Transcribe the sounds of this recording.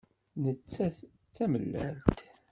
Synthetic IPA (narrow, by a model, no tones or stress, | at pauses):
nət͡sːæ | t͡sːæməlːæ̰lt̪